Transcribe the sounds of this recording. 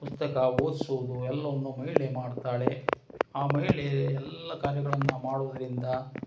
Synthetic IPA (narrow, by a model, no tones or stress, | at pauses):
pust̪ɐkɐoːd̪suːd̪uɛlːɐʋɐnːumɐɦiɭemaːɖt̪aːɭe̞ | aːmɐiɭeɛlːɐkaːɾjɐɡɐɭɐnːɐmaːɽuːd̪ɐɾind̪ɐ